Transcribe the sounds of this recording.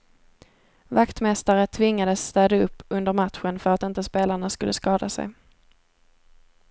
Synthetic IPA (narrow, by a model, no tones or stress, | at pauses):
vakt̪mɛst̪aɾət̪ʰvɪŋːad̪əsːt̪œːd̪aɵpːɵnd̪əɾmat̪ɧənfœɾat̪ɪnt̪əspeːlaɳaskɵlːəskɑːd̪a̰sɛ̰j